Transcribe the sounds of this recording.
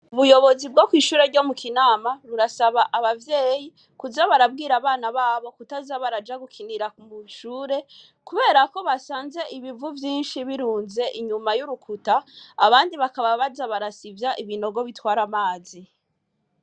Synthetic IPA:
uβujo̞βo̞zib̚ɡokwiːʃuːɾe̞ɾɟo̞mukʰinaːmaɾuɾasaβaʔaβavjeːji | kuzaβaɾab̚ɡiːɾaβaːnaβaːβo̞kutazaβaɾad͡ʒaɡukʰiniɾakumuʃuːɾe̞ | kuβe̞ːɾako̞βasaːnze̞ʔiβivuvjiːnʃiβiɾuːnze̞ʔiɲumajuɾukʰutaːβaːndiβakaβaβazaβaɾasivjaʔiβino̞ɡo̞βitwaːɾamaːzi

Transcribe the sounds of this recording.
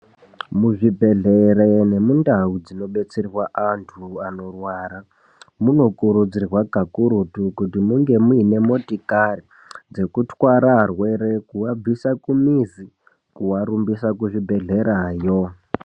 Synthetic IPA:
muʐibʱe̞ɮeɾene̞mundaud͡zino̞ɓe̞t͡serrwaʔantʰuano̞rwaːɾa | muno̞kuɾud͡zirwaɡʱakuɾutukutimuŋɡe̞muine̞mo̞tikari | d͡ze̞kutwaɾaɦrwe̞ɾe̞kuwab͡visakumizi | kuwaɾumbisakuʐibʱe̞ɮe̞ɾajo

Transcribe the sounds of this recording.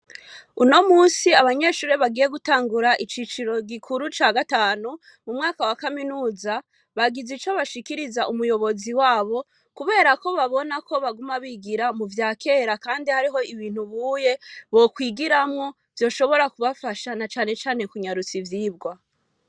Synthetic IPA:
uno̞muːsiaβaɲe̞ːʃuːɾeβaɡije̞ɡutaːŋɡuɾaʔit͡ʃiːt͡ʃiɾo̞ɡikʰuɾut͡ʃaːɡataːnu | mumŋaːkawakaminuːza | βaɡizit͡ʃo̞βaʃikiɾizaʔumujo̞βo̞ziwaːβo̞ | kuβe̞ːɾako̞βaβo̞nako̞βaɡumaβiɡiɾamuvjaːkʰe̞ːɾakaːndihaɾiɦo̞iβiːn̥uβuːje̞βo̞kwiːɡiɾamŋo̞ | v̥jo̞ːʃo̞βo̞ɾakuβafaʃanat͡ʃaːne̞t͡ʃaːne̞kuɲaɾut͡sivjiːbɡwa

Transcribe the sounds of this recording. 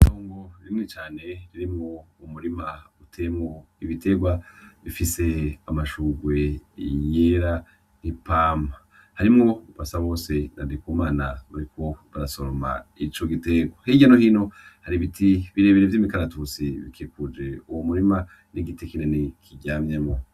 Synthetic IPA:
tʰoːŋɡoβimŋet͡ʃaːne̞βiɾimŋoumuɾimautʰemŋo | iβitʰe̞ɡwaβifise̞amaʃuːɡwe̞ijeɾa | nipaːma | haɾimŋo̞upasaβo̞ːse̞nadikumaːnaβaɾikʰo̞βaɾasoɾoma̰it͡ʃo̞ɡiteɡwahiɟanohino̞haɾiβitʰiβiɾe̞ːβiɾevjiːmikaɾatusiβḭkʰikud͡ʒe̞uwomuɾima | niɡitekinenekʰiɟaːmjemŋo

